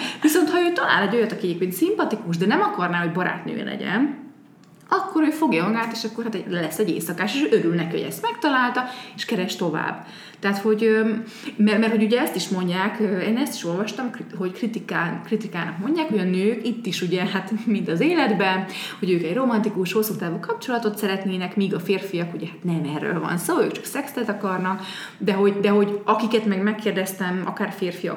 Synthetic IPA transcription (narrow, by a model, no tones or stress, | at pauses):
viso̞nt̪hɒøːt̪ɒla̰ːlɛɟo̞jɒt̪ɒkiɛɟeːpkeːnt̪simpɒt̪ikuʃd̪ɛnɛmɒkɒrnaːɦo̞ɟbɒɾa̰ːt̪nø̰ːlɛ̰ɟɛ̰n | ɒkːo̞ɾøːfo̞ɡjɒɒŋɡaːt̪eːʃɒkːo̞rhaːt̪ɛɛlɛsːɛɟḛːsɒkaːʃeʃʔøɾylnɛkiho̰ɟɛ̰st̪mɛkt̪ɒlaːlt̪ɒeːʃkɛɾɛʃt̪o̞va̰ːbː | t̪ɛɦat̪ho̞ɟø | mɛrmɛrho̞ɟuɟɛɛst̪iʃmo̞ɲɟaːkøeːnɛst̪i̥ʃo̞lvɒʃt̪ɒmkɦo̞ckrit̪ikaːkrit̪ikaːnɒkmo̞ɲɟaːkho̞ɟɒnøːkit̪ːiʃuɟɛhat̪mint̪ɒzeːlɛd̪bɛnho̞ɟøːkɛɟro̞mɒnt̪ikuʃho̞sːut̪aːvukɒp̚t͡ʃo̞lɒt̪o̞t̪sɛɾɛt̪neːnɛkmiːɡɒfeːrfijɒkuɟɛhat̪nɛmɛrːø̰ːlvɒ̰nsoːøːkt͡ʃɒ̥ksɛksɛt̪ɒkɒrnɒk | d̪ɛɦo̞ɟd̪ɛɦo̞ɟɒkikɛt̪mɛɡmɛkːeːrd̪ɛst̪ɛmɒ̰kaːrfeːrfijɒ̰